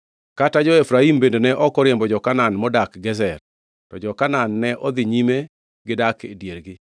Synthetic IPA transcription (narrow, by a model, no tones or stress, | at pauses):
katad͡ʒɔefɾaimbendonɛʔɔkɔɾjembɔd͡ʒɔkananmɔdakɡɛzɛr | tɔd͡ʒɔkananːɛʔɔd̪ɪɲime | ɡɪdakḛdjeɾɡɪ